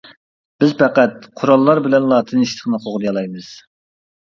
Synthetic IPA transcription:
b̥ɪzpʰæqæt̪̚qʰʊɾɑlˠːɑɾbɪlɛnlˠɑːt̪ʰɨniʃt̪ʰɪ̥χnɨqʰoʁd̪jɑlˠɑjmɨz̥

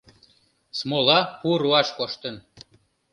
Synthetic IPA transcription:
smolɑpuɾuɑʃkoʃt̪ən

